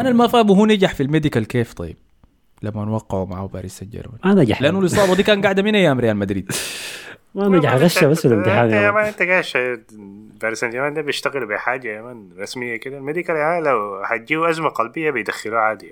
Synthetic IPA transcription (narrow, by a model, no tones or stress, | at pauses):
ʔanalmafaːbuɦuːnɪɡaħfilmeːd̪ikalkeːft̪ˤɑ̰jːɪb̥̚ | lamːanwɑqːɑʕumaʕaba̰ːɾisand͡ʒɑ̰ɾˤma̰nʔanaɡaħlɪʔanːulɨsˤɑːbad̪iːkaːnɡaʕd̪aminʔajːaːmɾɪjaːlmad̪ɾiːd̪ | maʔannaɡaħɣaʃabasːɪlɪmt̪ɪħaːnamaːnʔɪnt̪aɡaːʃa | baːɾisand͡ʒaɾmand̪abɪʃt̪aɣɪlbiħaːd͡ʒakamaːnɾˤɑsmɪjːakɪd̪almeːd̪ikalaʕaːlawhad͡ʒiːuʔazmaqɑlbɪjːabɪjd̪axːɪluːʕaːd̪ɪja